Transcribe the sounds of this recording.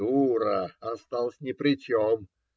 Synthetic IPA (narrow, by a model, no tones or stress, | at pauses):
uɾəɐst̪alˠəsʲnʲɪpɾʲɪt͡ɕom